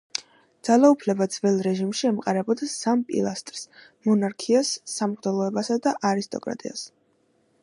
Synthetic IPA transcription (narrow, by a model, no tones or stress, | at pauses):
d̪̥z̥alaupʰlɛbad̪z̥vɛlˠɾɛʒimʃiɛmqʼaɾɛbɔd̪asampʼḭlˠast̪ʼɾs | mɔnaɾkʰiasːamʁd̪ɛlˠɔɛbasad̪aʔaɾist̪ʼɔ̰kʼɾa̰t̪ʼḭa̰s